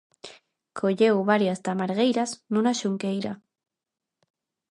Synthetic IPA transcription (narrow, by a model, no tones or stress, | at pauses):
kʰoʎewβaɾjast̪amaɾɣejɾasnũnaʃuŋkejɾa